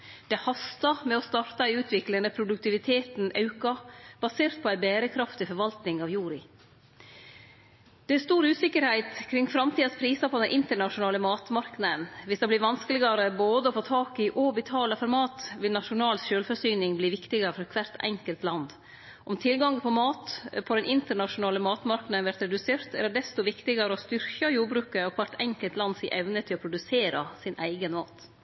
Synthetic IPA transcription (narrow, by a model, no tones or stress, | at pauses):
d̪̥ɛhɑst̪ɑmɛɔst̪ɑːɾt̪ɑɪʉːt̪ʰʋɪklənəpʰɾʊd̪ʉk̚t̪ɪʋɪt̪ʰeːt̪nʔɑ̰ʉkɑb̥ɑseːɾt̪̚pʰɔæɪbeːɾəkʰɾɑft̪ɪfɔɾʋɑlt̪nɪŋɑːʋjuːɾɪ | d̪̥ɛæst̪uːɾʉːsɪkːəɾhæɪt̪kʰɾɪŋfɾɑmt̪ʰiːd̪ɑspʰɾiːsɑpʰɔd̪ɛnʔɪnt̪əɳɑʂʊnɑːləmɑːt̪mɑɾknəd̪ənʋɪsd̪ɑːbliːɾʋɑnskəlɪɡɑɾəboːd̪əɔfoːt̪ʰɑːkɪʔɔbət̪ʰɑːləfɔɾmɑːt̪ʋɪlnɑʂʊnɑːlsʃøːlfœsyːnɪŋbliːʋɪkt̪ɪɡɑɾəfɔɾkʰʋæɾt̪ɛ̰ŋkəlt̪lɑnd̪ | ʔɔmt̪ʰɪlɡɑŋpʰɔmɑːt̪pʰɔd̪ɛnʔɪnt̪əɳɑʂʊnɑːləmɑːt̪mɑɾknɑd̪ənʋæɾt̪ɾɛd̪ʉseːɾt̪æ̰ɾɖ̪ɛst̪ʊʋɪkt̪ɪɡɑɾəɔst̪ʏɾkɑjuːɾbɾʉːkəɔkʰʋɑʈɛŋkəlt̪lɑnsɪʔɛʋnət̪ʰɪlɔpʰɾʊd̪ʉseːɾɑsɪnʔæ̰ɪɡənmɑːt̪